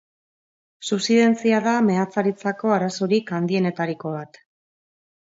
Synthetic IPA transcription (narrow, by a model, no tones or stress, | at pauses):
supsiðe̞nt͡siaðame̞at͡saɾit͡sako̞aɾaso̞ɾikand̪ie̞ne̞t̪aɾiko̞β̞at̪